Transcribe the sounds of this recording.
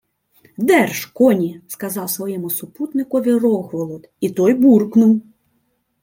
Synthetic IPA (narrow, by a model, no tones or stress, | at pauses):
d̪ɛrʃkɔnʲiskɐzɑwsʋɔjɛmʊsʊput̪nɪkɔʋʲirɔxʋɔlˠɔd̪it̪ɔjburknʊw